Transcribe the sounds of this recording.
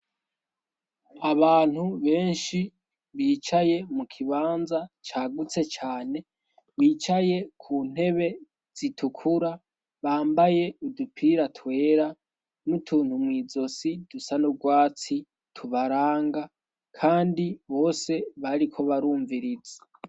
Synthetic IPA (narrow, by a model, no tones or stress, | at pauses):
aβaːn̥huβe̞ːnʃi | βiːt͡ʃaje̞mukʰiβaːnzat͡ʃaːɡut͡se̞t͡ʃaːne̞ | βiːt͡ʃaje̞kʰuːn̥e̞βe̞ | z̥itʰukʰuɾa | βaːmbaje̞udupʰiɾatʰwe̞ːɾa | nutʰuːn̥humŋiːzo̞sid̥usanuɡwaːt͡si | tʰuβaɾaːŋɡa | kʰaːndiβo̞ːse̞βaɾikʰo̞βaɾuːɱviɾizḁ